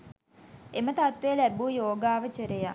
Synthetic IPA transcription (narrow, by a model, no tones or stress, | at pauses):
emət̪at̪ʋejlæbuːjoːɡaːʋət͡ʃəɾeja